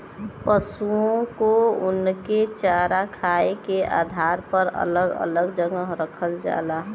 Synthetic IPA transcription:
pəsuõkoʊnket͡ʃaɾakʰaekeʔa̰d̪ʱaɾpəɾə̰ləɡə̰ləɡd͡ʒəŋəɦɾəkʰəld͡ʒa̰laɦ

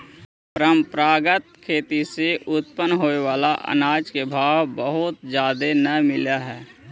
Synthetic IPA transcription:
pɾəmpɾaːɡət̪̚kʰeːt̪iseʔʊt̪pənɦoːeʋaːlaʔə̰naːd͡ʒkebʱaːʋbəɦʊt̪d͡ʒaːd̪enəmɪlaɦɛː

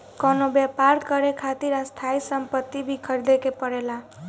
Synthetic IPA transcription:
kɔnobjepaɾkʌɾekʰat̪iɾast̪ʰajsʌmpət̪ːibʱikʰʌɾd̪ekepʌɾela

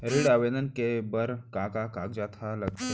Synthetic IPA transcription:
ɾiɽaʋed̪ənkebəɾkakakakd͡ʑat̪ʰaləɡt̪ə

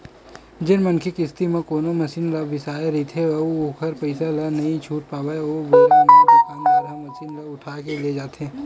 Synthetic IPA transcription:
d͡ʒɪnmɐnkʰikɪst̪imẽkoːnomɐsiːnlɐʋɪsaːeɾɐit̪ʰeɐuokʰɐɾpɐɪsalɐnɐɦĩt͡ʃʰuːʈ̚paːwaeoːbeːɾẽokokãːŋɐɾɦɐ̃mːɐsiːnlɐʊʈʰaːkeled͡ʒaːt̪eɦɛ̃ː

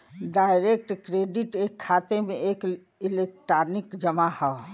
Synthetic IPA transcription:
ɖaːɪɾek̚ʈkɾeːɖiʈekʰːaːt̪emẽʔeːk | ilek̚ʈɾaːɾnikd͡ʒəmahɛ

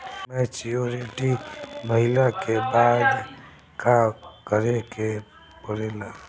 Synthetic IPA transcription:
mɛ̃t͡ʃijoɾeʈiməɦɪlakebaːd̪ | kakəɾeke | pəɾela

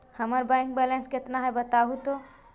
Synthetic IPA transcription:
həməɾbãŋk̚bɛlẽnsket̪naɦɛbət̪aɦut̪o

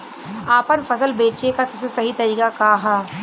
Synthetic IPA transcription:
aːpənfɐsəlbeːt͡ʃekasɐbsesɐɦit̪ɐɾiːkakaɦaː

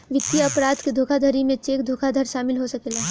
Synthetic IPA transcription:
ʋɪt̪ːijɐpɾaːd̪ʱked̪ʱoːkʰad̪ʱəɾimẽt͡ʃeːkd̪ʱoːkʰad̪ʱəɾʃaːmɪlɦosɐkeːlaː

